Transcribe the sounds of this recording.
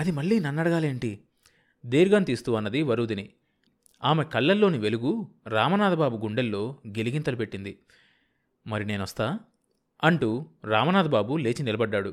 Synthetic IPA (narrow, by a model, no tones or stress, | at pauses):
ɐd̪imɐɭːiːnɐnːɐɽɐɡaːle̞ːɳʈi | d̪eːɾɡɐnt̪iːst̪uːɐnːɐd̪iʋɐɾuːd̪ini | aːmekɐɭːɐlːo̞ːniʋe̞luɡuɾaːmɐnaːd̪ɐbaːbuɡuɳɖelːo̞ːɡe̞liɡint̪ɐlupe̞ʈːind̪i | mɐɾine̞ːnɐst̪aː | ɐɳʈuɾaːmɐnaːd̪ɐbaːbule̞ːt͡ʃinilɐbɐɖːaːɽu